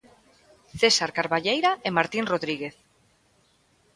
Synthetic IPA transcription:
θesaɾkaɾβaʎejɾaemaɾt̪inroðɾiɣ̞eθ

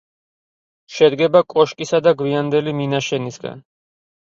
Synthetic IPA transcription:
ʃɛd̪ɡɛbakʼɔʃkʼisad̪aɡviand̪ɛliminaʃɛnisɡa̰n

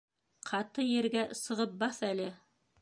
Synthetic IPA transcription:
qʰɑt̪ɤjɘ̆ɾɡæsɤ̆ʁɤp̚bɑθælɘ

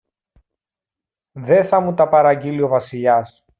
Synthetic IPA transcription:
ðe̞θɐmut̪ɐpɐɾɐɟilio̞vɐsiʎɐs

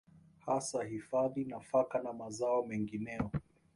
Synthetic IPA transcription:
hasahifaðinafakanamazaɔmɛŋɡinɛɔ

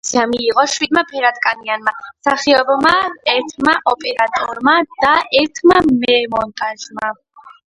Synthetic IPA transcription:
siamiːqʼɔʃwid̪mapʰɛɾat̪ʼkʼanianmasaχiɔbɔmaɛɾt̪ʰmaʔɔpʼɛɾat̪ʼɔɾmad̪̥aʔɛɾt̪ʰmamɛmɔnt̪ʼaʒma

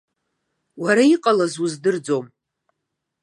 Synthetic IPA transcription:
waɾaiqʼalazuzdɨrd͡zo̞m

